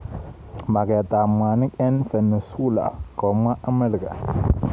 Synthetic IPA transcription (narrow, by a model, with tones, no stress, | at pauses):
ma˨ɡe˨ta˨mʷa˨ni˦ke˦nfə˨nə˨su˦la̰˨ko˨ma˦ʔə˦mə˦lɡa̰˨